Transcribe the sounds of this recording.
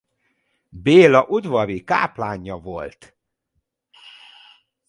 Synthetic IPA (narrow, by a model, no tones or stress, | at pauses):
beːlɒʔud̪vɒɾika̰ːplaːɲːɒvo̞lt̪